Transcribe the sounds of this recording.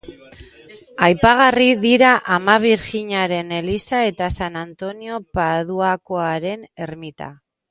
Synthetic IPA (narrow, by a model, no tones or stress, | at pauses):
ajpaɣ̞ariðiɾaʔamaβ̞iɾxiɲaɾe̞ne̞lisae̞t̪asanant̪o̞nio̞pað̞uakoaɾe̞ne̞ɾmit̪a̰